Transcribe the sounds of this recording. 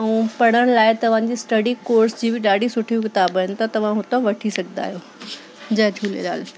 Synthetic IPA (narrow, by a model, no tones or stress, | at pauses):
ɐũpɐɽ̃əɽ̃ɪ̆laːɪt̪ɐʋ̤ãɲd͡ʑiːsʈɐɽikoːɾsd͡ʑiːbɪɗaːɽ̤ʱisʊʈʰikɪt̪aːbəɪnɪ̆t̪ɐt̪ɐʋ̤ãɦʊt̪oʋɐʈʰisɐɡʱna̰ːɦijoː | d͡ʑɐd͡ʑʰʱuːlḛla̰ːl